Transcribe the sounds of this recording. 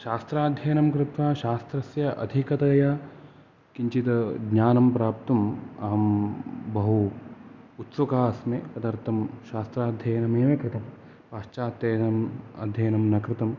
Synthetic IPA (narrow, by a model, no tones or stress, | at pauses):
ʃaːst̪ɾaːd̪ʱjɐjɐnɐmkɾɪt̪ʋaːʃaːst̪ɾɐsjɐʔɐ̰d̪ʱikɐt̪ɐjɐ | kiɲt͡ʃit̪ɐɡɲaːnɐmpɾaːp̚t̪ɐmaːmbɐɦu | ut̪sɐkaːsmepɐd̪ɐɾt̪ʰɐmʃaːst̪ɾaːd̪ʱjɐjɐnɐmeːʋɐkɾɪt̪ɐm | paːʃt͡ʃaːt̪jɐjnɐmɐ̰d̪ʱjɐjɐnɐmnɐkɾɪt̪ɐm